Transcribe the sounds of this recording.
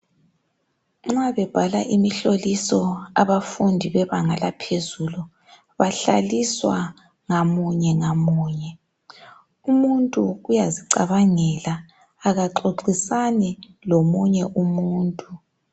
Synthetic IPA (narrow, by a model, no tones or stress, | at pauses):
ŋ͡ǁaβɛb̥ʱalaʔimiɬolisɔaβafundʱiβɛβaŋalapʰezulu | βaɬa̰liswa | ŋamuɲɛŋamuːɲɛ | umuntʼuɣujaziǀaβaŋɛlaː | ɣaǃoǃisani | lomuɲɛʔumuːntʼu